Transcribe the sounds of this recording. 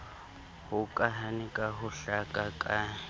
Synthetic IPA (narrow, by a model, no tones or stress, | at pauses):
hukʼaɦanikʼaɦʊɬakʼakʼa